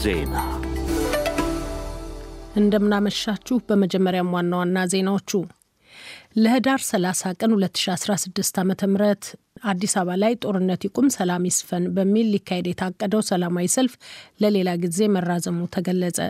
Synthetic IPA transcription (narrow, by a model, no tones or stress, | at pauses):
zḛna | ʔɨnd̪əmːɨnaməʃːat͡ʃːuhbəməd͡ʒɛmːəɾjamwanːawanːaze̞nawo̞t͡ʃːu | ləhɨd̪aɾsəlasakʼənhulət̪ːɨ̥ʃiasɾasɨd̪ːɨst̪ʰamət̪ʰəmɨɾət̪ | ad̪ːisaβalajt̪ʼo̞ɾɨnːət̪jikʼumsəlamisfənbəmːilːikʰːahed̪jɛt̪ʰakʼːəd̪əwsəlamawisəlfləle̞laɡize̞mərːazəmut̪ʰəɡəlːəsʼə̰